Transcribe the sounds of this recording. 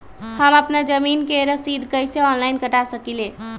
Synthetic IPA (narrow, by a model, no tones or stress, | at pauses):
həməpnad͡ʒəminkeɾəsid̪ʱkəjseɔnlajnkəʈasəkile